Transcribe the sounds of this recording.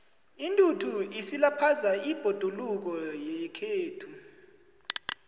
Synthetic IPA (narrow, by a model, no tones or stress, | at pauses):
intʼutʰuisilapʰazaib̥ʱod̥ʱuluk̬ɔjɛkʰeːtʰu